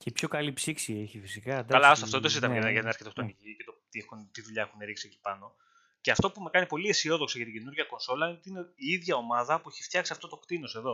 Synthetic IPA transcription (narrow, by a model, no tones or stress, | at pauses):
cepçokɐlipsiksieçifisikɐd̪kɐlɐst̪ɐft̪oet̪osit̪ɐmeeɾnɐʝɐt̪nɐɾçet̪ost̪oniʝice̞t̪ot̪iexunt̪iðuʎɐe̞xuneɾiksioci̥pɐno̞ | ceɐft̪o̞pume̞kɐnipo̞liesio̞ðo̞ksɐʝɐt̪iɟenuɾʝɐko̞nso̞lɐinot̪ineiiðʝɐo̞mɐðɐpueçi̥ft̪çɐksiɐft̪o̞t̪o̞kt̪ino̞se̞ðo̞